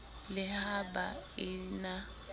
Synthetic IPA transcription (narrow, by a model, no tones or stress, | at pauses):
lɪhabaina